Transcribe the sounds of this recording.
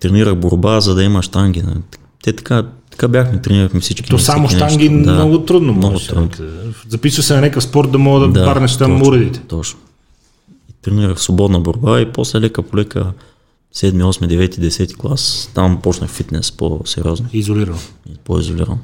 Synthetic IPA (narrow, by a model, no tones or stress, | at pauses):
t̪ɾɛniɾəxboɾbazɐd̪ɐimɐʃt̪aŋɡʲin̰ | t̪ɛt̪ɐ̥kat̪ɐ̥kabʲjaxmɛt̪ɾɛniɾəxmɛfsit͡ʃkʲinɔsamʊʃt̪aŋɡʲind̪manɔɡʊt̪ɾud̪nomnɔɡʊt̪ɾud̪nozɐpisəsɛnɐnɛkəfspɔɾt̪̚d̪ɐmɔɡəd̪ɐd̪abaɾnɛʃt̪amuɾɛd̪it̪ɛ̥t̪ɔt͡ʃno̥ | it̪ɾɛniɾəxfsvobɔd̪nəboɾbaiposlɛlɛkəpolɛkə̰ | sɛd̪miɔsmid̪ɛvɛt̪id̪ɛsɛt̪i̥ɡlˠast̪ampɔt͡ʃnəxfit̪nɛ̰spo̰sɛɾioznoizoliɾɐnoipoizoliɾɐ̰no